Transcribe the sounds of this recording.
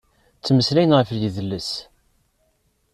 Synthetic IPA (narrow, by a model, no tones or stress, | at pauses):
t͡sːməslæjnʁəfjəðəlːəs